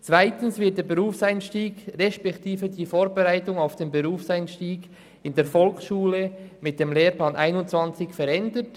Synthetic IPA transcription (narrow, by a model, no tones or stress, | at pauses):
t͡sv̥aɪtənsvɪt̚d̥eːɾbeʁuːfsaɪnʃtiːɡʁɛʃpɛktiːvədiːfoːɾbeʁaɪtʊŋaʊfd̥eːnbəɾuːfsaɪnʃtiːɡ | ɪndeːfɔlksʃuːləmɪt̚d̥emleːɾplaːnʔaɪnʊntt͡sv̥ɑnt͡sɪçfɛɾɛndət